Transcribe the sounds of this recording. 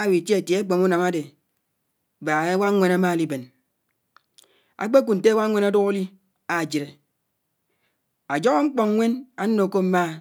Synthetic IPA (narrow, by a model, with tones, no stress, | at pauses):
wi˨tje˦e˨tje˨a˦k͡po˨mu˦na˨ma˦de˨ | ba˨e˦wa˦ŋʷe˦na˦ma˦˨li˦be˨n | a̰˨k͡pe˦k̬u˨n̩˨te˦wa˦ŋʷe˦na˦du˦ɣo˦li˦ | a˨d͡ʒi˨ɾe˨ | a˨d͡ʒɔ˦ɣo˦ŋ͡m̩˦k͡pɔ˨ŋ˦ŋʷe˦naː˦o˨ko˦m̩˦ma˦